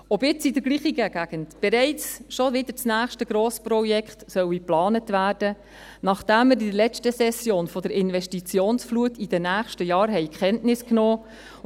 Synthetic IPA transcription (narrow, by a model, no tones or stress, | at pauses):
ɔbɪt͡sidəɾɡliːχiɡæɡæɡ̥əntb̥ɛɾɛɪt͡sʃoʋɪd̥̪əɾt͡snæːχʃtəɡ̥ɾoːsprɔjɛkχtsœwiplɑːnətʋæːrdə | nɑχd̥æmːəɾidəlɛt͡stəsɛsjoːnfɔdəɾɪnvɛʃtit͡sjoːnsfluətid̥ɛnæːχʃtəjɑːɾɦɛɪkχɛntnɪsknoː